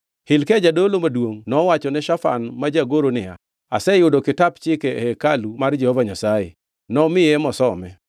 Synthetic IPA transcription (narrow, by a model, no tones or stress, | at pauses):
hɪlkɛd͡ʒadolomadwoŋnɔwat͡ʃɔnɛʃafa̰nmad͡ʒaɡoɾonɪa̰ | asɛjʊdokɪtapt͡ʃɪkɛhɛkalumard͡ʒɛhɔvaɲasajḛ | nɔmɪjɛmɔsɔmɛ